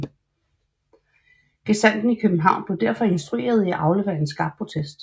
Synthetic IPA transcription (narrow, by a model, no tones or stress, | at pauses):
ɡ̥esæn̰d̥n̩ikʰøb̥n̩ɦɑ̈ʊ̰nb̥le̝ʊd̥æɐ̰fɒ̽e̝nsd̥ʁue̝̰ːɐð̞ˠiæʔɑ̈ʊleʊɐensɡ̥ɑ̈ːb̥̚pʰʁo̝t͡sʰesd̥